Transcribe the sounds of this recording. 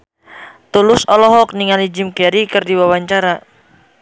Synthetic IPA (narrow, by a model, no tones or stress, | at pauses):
t̪ulʊsɔlɔɦɔk̚niŋalid͡ʒɪmkɛɾikɨrdiwawaɲt͡ʃaɾa